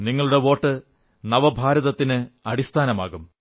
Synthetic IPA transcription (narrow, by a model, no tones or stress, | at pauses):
niŋːɐɭuɽe̞ʋo̞ːʈːɨ | nɐʋɐbʱaːɾɐðɐt̪ːinɨɐɽist̪ʰaːnɐma̰ːɣum